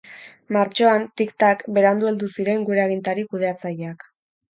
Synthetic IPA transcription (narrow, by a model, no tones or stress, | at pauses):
maɾt͡ʃo̞ant̪ikt̪akbe̞ɾand̪ueld̪usiɾe̞ŋɡuɾeaɣ̞int̪aɾikuð̞e̞at͡sajeak